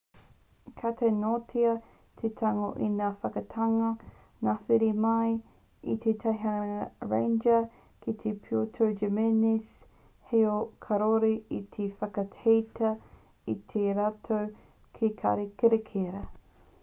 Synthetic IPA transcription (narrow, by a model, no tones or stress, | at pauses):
kʰat̪enotʰiɐ | t̪ʰet̪ʰaŋo̰ʔinaːfɐkɐtʰɐŋɐ | naːfiɾimɐj | ḭt̪ʰet̪ʰaɦaɹḛ̃jnd͡ʒɐ | kʰit̪ʰepʰiotʰəwd͡ʒemenis | heokʰɐɾoɾiit̪ʰefɐkɐhejtʰɐ | it̪ʰeɾaːtʰow | kʰikʰa̰ɾekeɾekʰeɾɐ